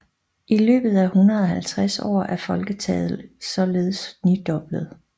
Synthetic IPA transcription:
ʔilø̰ːb̥ð̞̩ˠæhunʁɐðˠɒ̽hælt͡sʰʁasɒ̰ːæɐfɒ̽lɡ̥ət͡sʰɛ̰ːðˠl̩ˠsɒ̽le̝ːð̩ˠəsnyd̥ɒ̽b̥ləð̞̩ˠ

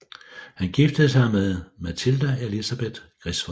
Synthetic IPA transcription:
hænɡ̥ifd̥əð̩ˠsɑ̈ɪmeðˠmæt͡sʰild̥æelisæb̥e̝d̥ɡ̥ʁisʋɒ

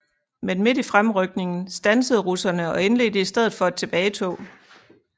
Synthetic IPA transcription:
menme̝difʁamʁœɡ̥̚ne̝ŋn̩sd̥ænsəð̩ˠʁusɐnəɒ̽e̝nle̝̰ːd̥əisd̥eð̰ˠð̩ˠfɒ̽æ̥t͡sʰe̝b̥ɛːɪt͡sʰɔ̰ː

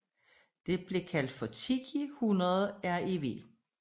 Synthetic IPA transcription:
d̥e̝b̥le̝kʰæl̰d̥fɒ̽t͡sʰiɡ̥ʰihunɐð̩ˠæɐe̝ʋe̝̰ː

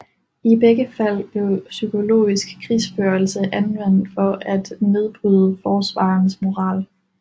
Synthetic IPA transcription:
ib̥eɡ̥əfæl̰b̥le̝ʊsykʰo̝lo̝̰ːisɡ̥kʰʁisb̥øɐl̩səʔænʋen̰d̥fɒ̽ʔæd̥ne̝ð̞ˠb̥ʁyð̞ˠəfɒːsʋɑ̰̈ːnsmo̝ʁɑ̰̈ːl

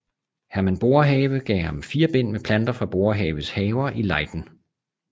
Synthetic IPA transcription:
hæɐmænb̥o̝ɐɦɛːʋəɡ̥ɛ̰ːhɑ̈mfiːɐb̥en̰mepʰlænd̥ɐfʁɑ̈b̥o̝ɐɦɛːʋəshɛːʊɐʔilɑ̈ɪd̥n̩

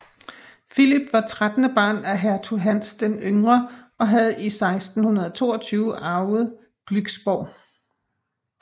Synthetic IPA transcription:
filib̥ʋɑ̈t͡sʰʁad̥nəb̥ɑ̈ːnæɦæɐt͡sʰuɦæn̰sd̥emøŋʁɐ | ɒ̽ɦæð̩ˠisɑ̈ɪsd̥n̩hunɐð̞ˠɒ̽t͡sʰo̝̰ːɒt͡sʰyːʊəʔɑ̈ʊð̞̩ˠ | ɡ̥lyɡ̥sb̥ɒʊ̰

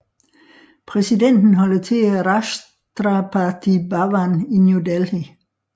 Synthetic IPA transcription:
pʰʁɛsiden̰d̥n̩ɦɒ̽l̰t͡sʰe̝æʁɑs | d̥ʁɑpʰɑt͡sʰibɑʋaninjudelhi

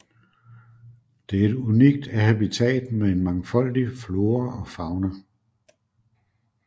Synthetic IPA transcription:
d̥e̝æɐe̝duniɡ̥̚d̥æhæb̥it͡sʰɛ̰ːd̥mee̝nmɑ̈ŋfɒ̽l̰d̥iflo̝ːɐʔɒ̽fɑ̈ʊnɐ

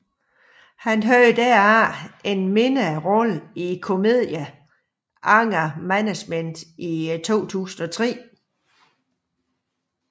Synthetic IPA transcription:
hænɦøːɪd̥æɐæe̝nme̝nəʁɔlikʰo̝me̝ð̰ˠjæ | ʔɑ̈ŋ̰ɐmænæ̥smen̰d̥it͡sʰo̝̰ːt͡sʰṵːsn̩ɒt͡sʰʁɛ̰ː

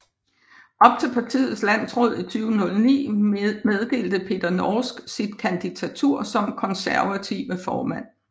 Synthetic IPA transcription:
ʔɒ̽b̥̚t͡sʰe̝lpʰɑ̈t͡sʰḭːð̩ˠslæn̰sʁɔ̽ð̞̰ˠit͡sʰyːʊənɔ̽lnḭːmeðˠd̥e̝̰ːld̥əpʰe̝d̥ɐnɒːsɡ̥sid̥̚kʰænd̥it͡sʰæt͡sʰuɐ̰sɒ̽mkʰɒ̽nsæɐʋæt͡sʰiʊəfɒːmæn̰

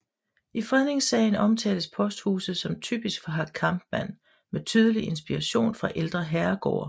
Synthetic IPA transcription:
ifʁɛðˠne̝ŋsɛ̰ɪn̩ɒ̽mt͡sʰɛ̰ːləspʰɒ̽sd̥hṵːsð̩ˠsɒ̽mt͡sʰy̰ːb̥isɡ̥fɒ̽ɦɑ̥̈kʰɑ̈mb̥mæn̰ | met͡sʰyːð̞ˠəliʔe̝nsb̥iʁɑ̈ɕo̝̰ːnfʁɑ̈ʔeld̥ʁɐɦæɐɡ̥ɒ̰ːɐ

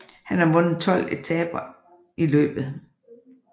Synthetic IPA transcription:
hænæɐʋɔ̽nð̩ˠt͡sʰɒ̽l̰e̥t͡sʰɛ̰ːb̥ɐ | ʔilø̰ːb̥ð̩ˠ

